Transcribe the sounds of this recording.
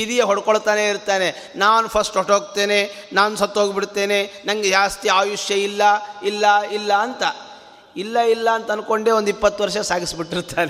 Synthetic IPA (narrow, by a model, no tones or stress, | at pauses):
id̪ijeɦoɽkoɭt̪aːne̞iɾt̪aːne̞ | naːnupʰɐsʈɦoʈɦoːɡ̚t̪e̞ːnenaːnusɐt̪ːɦoːɡbiɽt̪ːe̞ːnenɐŋɡed͡ʒaːst̪iaːjuʂjɐilːɐilːɐilːɐːnt̪ɐ | ilːɐilːɐːnt̪ɐnko̞ɳɖeond̪ipːɐt̪ːʋɐɾʂɐsaːɡisbiʈːiɾt̪aːne